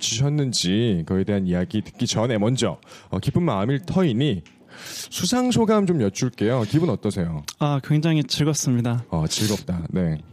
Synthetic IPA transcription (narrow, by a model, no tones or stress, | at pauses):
t͡ɕʰiɕʰʌnːɯnd͡ʑikʌe̞de̞ɦanijaɡitɯ̥k͈it͡ɕʌne̞mʌnd͡ʑʌʌkipʰɯnmaɯmiɭtʰʌini | sʰusʰaŋs̬ʰoɡamt͡ɕomjʌt͡ɕʰuɭk͈e̞jokibɯnʌt͈ʌsʰe̞joakwe̞ŋd͡ʑaŋit͡ɕiɭɡʌs͈ɯmɲidaʌt͡ɕiɭɡʌp̚t͈ane̞